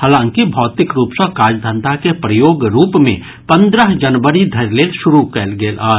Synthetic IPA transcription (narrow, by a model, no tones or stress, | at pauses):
ɦaːlãːŋkibʱɔːt̪ɪkɾuːpsəkaːd͡ʒd̪ʱə̃nd̪akepɾəjoːɡɾuːpmḛ̃ | pə̃nd̪ɾəɦd͡ʒənʋəɾid̪ʱɐɾleːlʃʊɾukɛːlɡeːlʔaː